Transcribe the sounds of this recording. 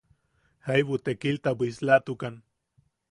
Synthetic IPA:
hajβut̪ekilt̪abuislat̪ukan

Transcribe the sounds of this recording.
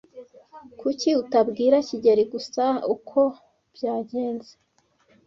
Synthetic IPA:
kuciutabɡiːɾaciɟeɾiɡusaukʰo̞ | b̥jaːɟe̞ːnze

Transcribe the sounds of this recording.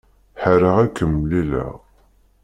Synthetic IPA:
ħəɾəʁækːəmːlilə̰ʁ

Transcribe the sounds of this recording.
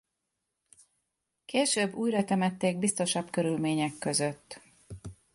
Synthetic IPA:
keːʃøːbːuːjrɒt̪ɛmɛt̪ːeːɡ̚bist̪o̞ʃɒbkø̞ɾylmeːɲɛkːø̞zøt̪ː

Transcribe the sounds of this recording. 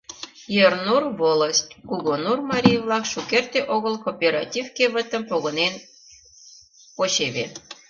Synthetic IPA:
jernurvoləstʲkuɣonurmɑɾʲijvlɑkʃukert̪eʔoɣəlkopʲeɾɑ̰tʲivkeβə̆t̪əmpoɣənen | pot͡ɕeβe

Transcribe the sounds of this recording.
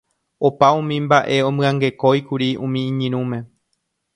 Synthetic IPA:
opaũmĩmbaʔe̞õ̞mɨ̃ãŋɡe̞ko̞jkuɾiũmĩːɲĩɾ̃ũmẽ̞

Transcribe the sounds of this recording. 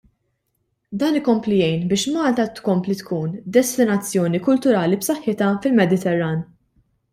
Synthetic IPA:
d̪ɐːnɪkɔmplijɛjnbɪːʃmɐːlt̪ɐt̪kɔmplit̪kuːnd̪ɛst̪ɪnɐt͡sːjɔːnikʊlt̪ʊɾɐːlipsɐħːɪt̪ɐfɪlmɛd̪ɪt̪ɛrːɐːn

